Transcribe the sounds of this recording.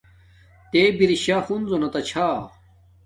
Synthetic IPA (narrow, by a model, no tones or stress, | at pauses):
t̪ebiɾiɕaːfunzonɐt̪ɐt͡ɕʰaː